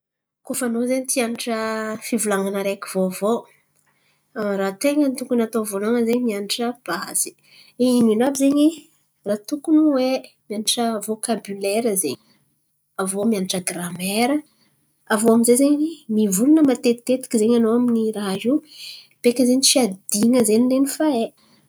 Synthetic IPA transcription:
kofanozeɲit̪ianiʈ͡ʂəfivulaŋanəɾekivovo | rat̪eŋənt̪uŋkunat̪ovoloŋəzeɲimianiʈ͡ʂəb̥az̥i̥ | ininabizeɲi | rat̪ukunuwe | mianiʈ͡ʂəvokabylɛɾəzeɲ | avomianiʈ͡ʂəɡramɛeɾə | avoaminzezeɲimivulunəmat̪et̪ːet̪i̥kizeɲanoaminiɾazi | pekʲəzeɲifiad̪iŋəzenilenifae

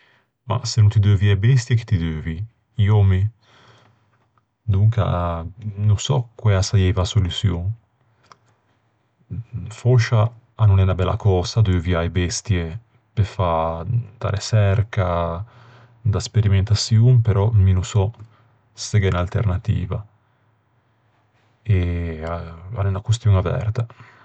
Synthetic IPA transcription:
ma̰senũnt̪id̪øːviajbɛst̪jeki̥t̪id̪øːvi | iomi | d̪uŋka̰ | nũsɔ̰kwɛasajɛvasolusjoŋ | fɔʃaː | nonɛnabɛlːa̰kɔːsad̪øviaebɛst̪je | pefat̪a̰ɾesɛrka | d̪aspeɾiment̪asjuŋpeɾɔminusɔ | seɡɛnalt̪ḛɾnat̪ḭːva | eaa̰nɛnakwust̪juŋavɛ̰rt̪a

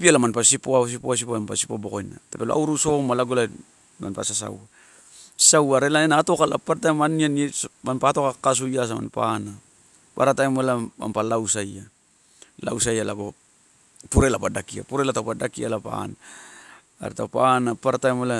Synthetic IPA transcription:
pialamanpasipoas̬ipoas̬ipoaampasipobo̞kojna̰tepeloa̰wɾuso̞malaɡola | ma̰npa̰sasa̰wa | sawaɾelaenaːto̞kala̰paɾatajmanianmanpato̞kakas̬ujas̬ama̰npa̰na | pa̰ɾatajmelama̰mpalawsaja | la̰wsajalaɡo̞ | puɾelapadakia̰puɾe̞latawpadakia̰lapa̰na̰ː | ɾetapanapaɾatajmela

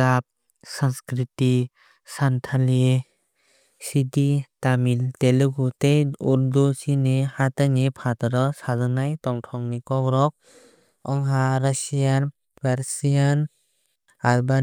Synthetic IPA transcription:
ap̚ | sanskɾiti | santʰali | siditamilteluɡutejuɾdusinehatanipʰatɾɔsazanajtɔŋtʰɔŋnikɔɡɾɔk̚ | ɔŋɦaɾasijan | paɾsijan | alba

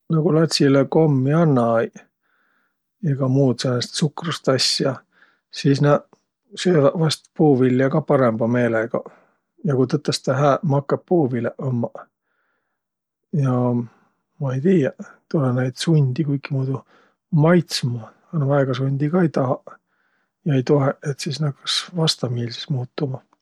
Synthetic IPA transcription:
noɡulɑt̪ʲsileko̞mːjɑnːɑj | eɡ̥ɑmuːt̪senːɑst̪sukrust̪ɑsjɑ | siːsnɑ | søːvɑvɑst̪puːvilːjɑɡɑpɑɾemb̥ɑme̞ːleɡ̥ɑ | jɑkut̪ɤt̪ːˑɑst̪ɑɦæːmɑkːɑpːuːvileʔomːɑ | jɑ | mɑejt̪iːjɑt̪olenæjd̪̥sunʲd̪̥ikujkːimuːd̪u | mɑjt̪smɑ | ɑnvɑeɡ̥ɑsunʲd̪̥ikɑejt̪ɑɦɑ | jɑe̞jt̪o̞ɦeʔet̪sisnɑkːɑ̥svɑst̪ɑmiːlsi̥smuːt̪ːumɑ

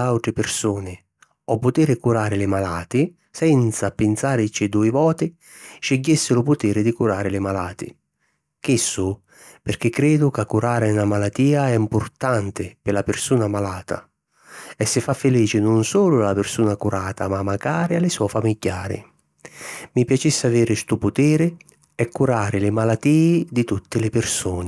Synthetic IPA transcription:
awt̪ɾɪpɪrsuːnɪ | ɔpːʊt̪iːɾɪkuɾaːɾɪlɪmalaːt̪ɪ | sɛnt̪sapɪnt̪saːɾɪt͡ʃɪd̪uːɪvɔːt̪ɪ | ʃeɟːɪsːɪɾʊpʊt̪iːɾɪd̪ɪkuɾaːɾɪlɪmalaːt̪ɪ̰ | k̟ɪsːʊ | pɪrk̟ɪkːɾɛːd̪ʊkakːuɾaːɾɪnamalat̪ːiːaɛimpʊrt̪ant̪ɪpɪlapɪrsuːnamalaːt̪a̰ | ɛsːɪfːafːɪliːt͡ʃɪnʊnsuːlʊalapɪrsuːnakuɾaːt̪amamːaɡaːɾɪalɪsɔfamiɟːaːɾɪ̰ | mipjat͡ʃisːaviːɾɪst̪upʊt̪iːɾɪ | ɛkːuɾaːɾɪlɪmalat̪iːɪd̪ɪt̪ut̪ːɪlɪpɪrsuːnɪ

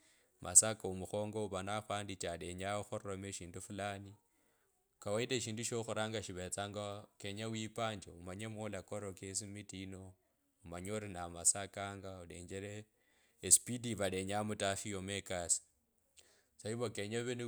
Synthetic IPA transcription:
masakaumuxo̞ːŋɡo̞uβanaxaːndit͡ʃale̞ɲaxurromeʃiːndufulani | kawaileʃ̬iːnduʃoxuɾaːŋɡaʃiβet͡saːŋɡakeɲawipaːɲd͡ʒeumaɲemolakoɾokes̬imitino | umaɲoɾinamasakaːŋɡauleɲd͡ʒeɾeː | spidiβaleɲamutafijomekasi̥ | t͡saiβokeɲaβen

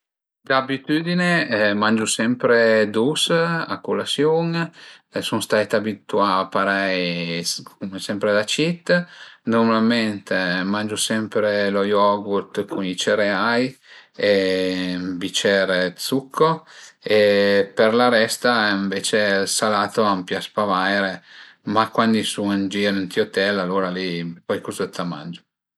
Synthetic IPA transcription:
d̪abit̪yːd̪inemand͡ʒusɛmpɾed̪usa̰kulasjuŋ | sunst̪aɛt̪abit̪uapaɾɛj | kumesɛmpɾed̪at͡ʃit̪ːnɔɾmalmɛnt̪emand͡ʒusɛmpɾelojɔɡut̪kʰunit͡ʃɛɾeaje | bit͡ʃɛːɾet̪sukʰːoeperlaɾɛst̪aiɱveːt͡ʃelsalaːt̪oampjaspavajɾe | makwand̪isuand͡ʒiɾint̪iot̪ɛlalːoːɾalipɔjkuzet̪ʰːama̰nd͡ʒo

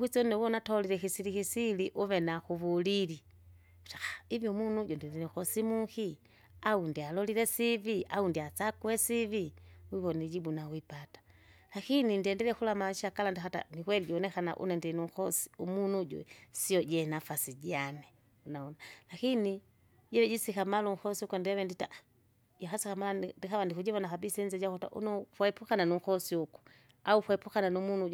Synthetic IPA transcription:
wit͡sɔnɛwɔnatɔliɾɛxisilixisiliʔuβɛnaxuβulili | u̥tḁxḁivjumunuɟɔndiɛndɛlɛxɔsimuxi | aundialɔliɾɛsiviʔaundiat͡sakuɛsiviwiβɔnɛd͡ʒibunawipatḁ | laxinindiɛndɛlɛxulamaʃiakalandixata̰nikwɛliɟiɔnɛkana̰ʔṵnɛndinuŋkɔsi̥umunuɟwɛ̰siɔɟɛnafasiɟanɛ | unaɔnalakini | ɟɛɛɟisikamaluŋ̩xɔsiukɔndiaβɛndita | jakasikamalndikaβandikuɟɛβɔnakabisɛnzɛɟakɔta̰ʔṵnɔfwɛɛpukananuŋ̩kɔsiuku̥ | aufwɛɛpukananumunu

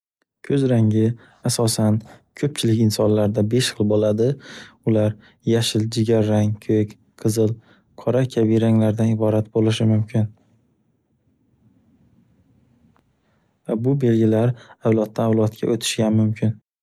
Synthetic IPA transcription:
kʲʰɵzɾaŋʲɪ | asɒsankʲʰɵp̚t͡ʃʰɪlɪkʲɪnsɒnlaɾd̪abe̞ʃχɨlˠbolad̪ɪʊlaɾ | jaʃɪld͡ʒɪɡʲaɾːaŋkʰøkʲ | qʰɨzɨlˠ | qʰɒɾakʲʰavijɾaŋlaɾd̪anɪbɒɾat̪̚bolɪʃɪmʊmkʲʰɪn | vabʊbe̞lɡʲɪlaɾawlˠɒt̪ːaːwlˠɒt̪kʲa̰ʔot̪ʰɪ̥ʃɡʲanmʊmkʲʰɪn

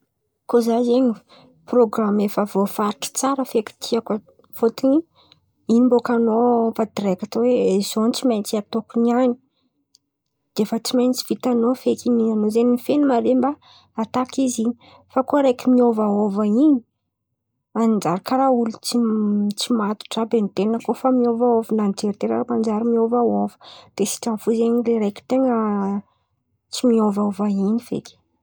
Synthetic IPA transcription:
kozazeɲi | proɡramefavofaɾiʈ͡ʂə̥t͡saɾəfeki̥t̪ʰiakə | fot̪iɲ | inimbokanovad̪ɾekat̪owez̥ont͡simajnt͡siat̪okuniani | d̪̥efət͡simajnit͡si̥v̥it̪anofekinianozeniifenumaɾemba | at̪akiziɲi | fakoɾajkimiovaovaini̥ | mannd͡ʒaɾikaɾaulut͡sit͡simat̪u̥ʈ͡ʂabenit̪enəkofamiovaovananid͡ʒeɾit̪eɾaɾamand͡ʒaɾimiovaovə̥d̪̥esi̥ʈ͡ʂamfuzeɲileɾajki̥t̪eŋə | t͡simiovaovainifḛki̥

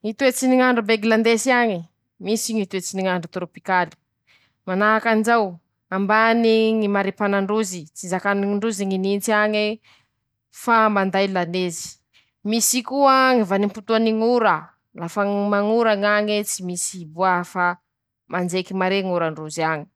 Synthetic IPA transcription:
ŋit̪uet͡siniŋaɳɖ͡ʐubeɡiland̪esiaŋi | misiŋit̪uet͡siniŋaɳɖ͡ʐut̪ɾopikali̥ | manaakand͡ʒaw | ambaniŋimaɾepanaɳɖ͡ʐuzit͡sizakaniɳɖ͡ʐuziŋinint͡siaŋe | famand̪ajlanezi̥ | misikuaŋivanimput̪uaniŋuɾə | lafamaŋuɾaŋaŋit͡simisibuafa | mʔand͡ʒekimaɾeŋuɾaɳɖ͡ʐuziaŋi̥

